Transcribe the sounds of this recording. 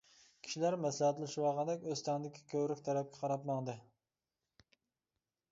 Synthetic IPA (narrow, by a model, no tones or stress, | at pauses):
kʲʰi̥ʃilæɾmɛslhæt̪lˠɪʃwɑːʁɑnd̪ɛkʲøst̪ʰɛŋd̪ɪkʲʰi̥kʲʰøwɾykʲt̪ʰɛɾɛp̚kʲʰɛ̥qʰɑɾɑp̪mɑŋd̪ɨ